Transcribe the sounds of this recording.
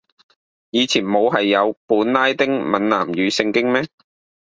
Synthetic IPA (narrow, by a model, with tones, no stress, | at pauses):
jiː˨˧t͡sʰiː˨˩nmo˨˧wɦɐ˨jːɐ˨˧wpuː˨˥nlaː˥jt̪ɪ˥ŋmɐ˨˧nna̰ː˨˩mjyː˨˧sɪ˧ŋkɪ˥ŋmɛː˥